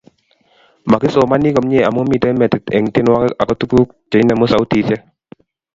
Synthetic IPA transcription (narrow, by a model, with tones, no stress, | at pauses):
ma˨kɪ˦so˨ma˦ni˦kɔ˨mɲe˦˨a˨mo˦mi˨tɛ˦mɛ˨tɪ˨tɛ˨ŋtɪ˦nwa˦ka˨kɔ˦tu˦ku˦k̚t͡ʃe˨i˦na˨mɔ˦sa˨ʊ˦ti˨sɛ˦